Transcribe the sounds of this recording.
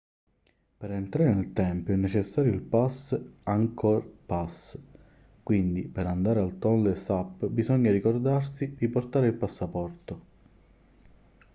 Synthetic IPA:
peɾent̪ɾaːɾenelt̪ɛmpjoɛnːet͡ʃesːaːɾjoilpasaŋkʰɔɾpas | kwind̪ipeɾand̪aːɾealt̪ɔnlesapːbizɔɲːaɾikord̪arsid̪iport̪aːɾeilpasːapɔrt̪o

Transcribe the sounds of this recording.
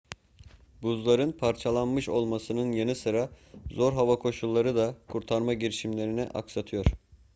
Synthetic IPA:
buzlˠaɾɯnpʰaɾt͡ʃʰalˠanmɯʃo̞lˠmasɯnɯnjanɯsɯɾazo̞ɾɦavakʰo̞ʃulˠːaɾɯd̪akʰuɾt̪ʰaɾmaɟiɾiʃimlʲe̞ɾiniʔa̰ksat̪ʰɯjo̞ɾ̥

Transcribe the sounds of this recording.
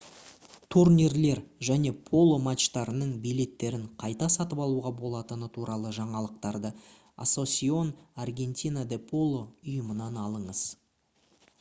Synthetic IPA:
t̪ʰurnʲirle̞ɾʒæne̞pʰo̞lˠːo̞mat̪ʃt̪ɑɾənəɴbijle̞t̪ːe̞ɾɪɴqʰɑjt̪ɑsɑt̪əpɑlˠuʁɑbo̞lˠɑt̪ənət̪ʰuɾɑlˠəʒɑɴɑlˠəq̚t̪ɑɾd̪ə | a̰so̞sʲio̞narɡʲe̞nt̪ʲinad̪e̞pʰo̞lˠːoʊjəmənɑnɑlˠəɴəz̥

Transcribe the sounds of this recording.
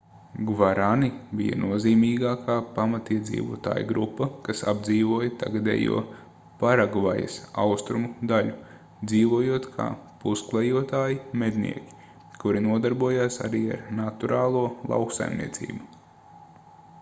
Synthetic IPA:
ɡvaɾanibijɐ̰nuɔziːmiːɡaːkʰaːpamat̪iɛd̪zḭːʋṵɔt̪a̰ːjṵɡɾupːɐkasab̚d̪ziːʋuɔjɐt̪a̰ɡad̪ḛjṵɔ | paɾaɡvajɐ̰sa̰wst̪ɾumud̪alʲu | d̪ziːʋuɔjuɔt̪kʰa̰ːpusklˠɛjuɔt̪aːjimɛd̪ʲnḭɛkʲi̥ | kuɾinuɔd̪aɾbuɔjaːsa̰ɾiːa̰ɾnat̪uɾaːlˠuɔlˠa̰wksa̰jmnʲḭɛt̪sḭːbu

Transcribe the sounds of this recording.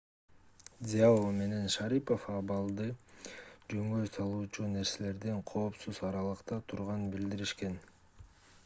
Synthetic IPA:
dʲɪalome̞ne̞nʃɑɾipo̞fɑβɑlˠd̪ɯ | d͡ʒø̞ŋɡøjsɑlˠuːt͡ʃune̞ɾse̞le̞ɾd̪eɴqʰo̞ːpsuzɑɾɑlˠɯqt̪ɑt̪ʰuɾʁɑnɯnbild̪iɾiʃke̞n

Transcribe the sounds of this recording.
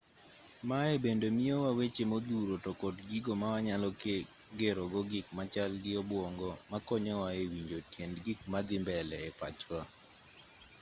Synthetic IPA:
maebendemiowawet͡ʃemod̪uɾotɔkɔdɡiɡomawaɲalɔke | ɡeɾoɡɔɡɪkmat͡ʃalɡɪɔbwɔŋɡɔmakɔɲɔwaewiɲd͡ʒotjendɡɪk̚mad̪ɪmbɛlɛːpa̰t͡ʃwa

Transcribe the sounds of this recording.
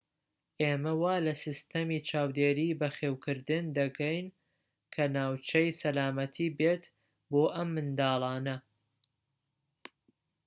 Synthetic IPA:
ʔeːmɐwaːlɐsɨst̪ɐmiːt͡ʃʰaːwd̪eːɾiːbɐxeːwkʰɨɾd̪ɨnd̪ɐkʰɐjn | kʰɐnaːwt͡ʃʰɐjsɐlaːmɐt̪ʰiːbeːt̪ | boːʔɐmːɨnd̪ɑːlˠɑːnɐ

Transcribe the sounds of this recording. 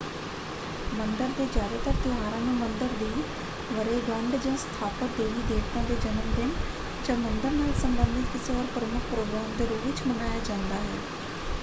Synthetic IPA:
mənd̪əɾd̪eːd͡ʒjaːd̪aːt̪əɾt̪ɪɦaːɾãːnuːmənd̪əɾd̪iː | ʋəɾeːɡə̃ɳɖd͡ʒãːst̪ʰaːpət̪̚d̪eːʋiːd̪eːkʰt̪ãːd̪eːd͡ʒənəmd̪ɪn | d͡ʒãːmənd̪əɾnaːlsəmbənd̪ɪt̪kɪsɔːɾpɾəmʊkʰpɾoːɡɾaːmd̪eːɾoːʋɪt͡ʃmənaːjaːd͡ʒãːnd̪aːɦɛ̰ː

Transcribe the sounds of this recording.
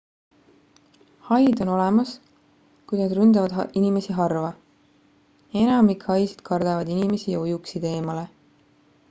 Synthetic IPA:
hɑjd̪o̞no̞le̞mɑs | kujnɑd̪rynd̪ɑvɑd̪̥inime̞siɦɑrvɑ | e̞nɑmikhɑjsi̥d̪̥kʰɑrd̪̥ɑvɑd̪inime̞sijɑojuksit̪e̞ːmɑle̞

